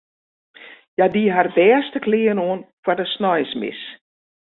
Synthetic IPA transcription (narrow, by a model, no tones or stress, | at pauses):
jadiɦardɛːəstəkʰlɪːənoːnfwadəsnɔjsmɪ̰s